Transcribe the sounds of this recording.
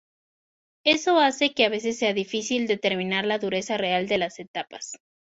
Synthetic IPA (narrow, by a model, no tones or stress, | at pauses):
e̞so̞ase̞ke̞aβe̞s̬e̞sːe̞aðifisild̪e̞t̪e̞ɾmĩnaɾlaðuɾe̞sare̞ald̪e̞lase̞t̪apḁs